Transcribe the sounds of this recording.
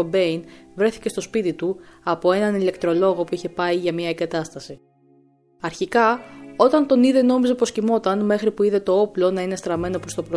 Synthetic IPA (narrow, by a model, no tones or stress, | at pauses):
obe̞invɾe̞θi̥ce̞st̪o̞spit̪it̪uɐpo̞e̞nɐnile̞kt̪ɾo̞lo̞ɣo̞puiçe̞pɐiʝɐmɲɐeɡɐt̪ɐst̪ɐsi | ɐɾçikɐo̞t̪ɐnt̪o̞niðe̞no̞mize̞po̞scimo̞t̪ɐnme̞xɾipuiðe̞t̪o̞o̞plo̞nɐine̞st̪ɾɐme̞no̞pɾost̪o̞pɾ